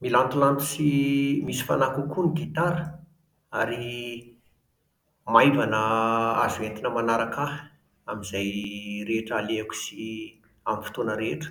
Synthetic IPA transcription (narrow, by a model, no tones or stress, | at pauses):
milant̪ulant̪u̥simisi̥fa̰nakukuniɡit̪aɾə | aɾi | majvanəa̰zuent̪inəmanaɾaka | amizajɾeʈ͡ʂaleaku̥si | amifi̥t̪onəɾeʈ͡ʂə̥